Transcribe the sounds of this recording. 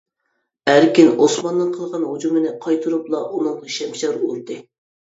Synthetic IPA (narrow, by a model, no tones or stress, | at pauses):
æɾkʲinosmɑnːɨnqʰəlˠʁɑnɦud͡ʒumɪnɪqʰɑjt̪ʰɨɾuplˠɑʔunɨŋʃɛmʃɛɾuɾd̪ɨ